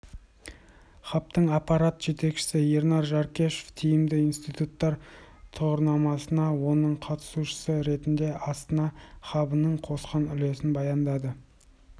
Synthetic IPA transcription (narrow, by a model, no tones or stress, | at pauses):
χɑp̚t̪əɴɑpːɑɾat̪ʒe̞t̪e̞kʃɪ̥sɪje̞ɾnɑɾʒɑɾkʲe̞ʃo̥ft̪ʰijɪmd̪ɪinst̪ijt̪ut̪ːɑɾt̪ʰʊʁəɾnɑmɑsənɑwo̞nəɴqʰɑt̪ə̥suʃə̥səɾe̞t̪ɪnd̪e̞ʔɑst̪ənɑχɑbənəɴqʰo̞sqɑnʏle̞sɪnbɑjɑnd̪ɑd̪ə